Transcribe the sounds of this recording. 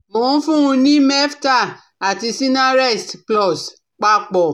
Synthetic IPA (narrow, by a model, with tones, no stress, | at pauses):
mõ˨ũ˦fũ˦ũ˧nĩ˦mɛ˦fta˦˨ | a˨ti˧si˦nã˦ɾɛ˦˨stplɔ˦˨s | k͡pa˧k͡pɔ˨